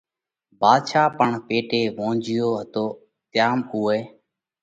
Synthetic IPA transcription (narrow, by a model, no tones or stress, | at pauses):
baːd̪ʃʰaːpəɳpeːʈeːʋõːnd͡ʒɪjoːɦət̪oː | t̪jaːmuːeː